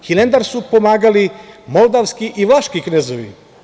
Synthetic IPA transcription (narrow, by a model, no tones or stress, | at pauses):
xilend̪aɾsupomaːɡalimolˠd̪aʋskiʔiʋlaʃkiknezoʋḭ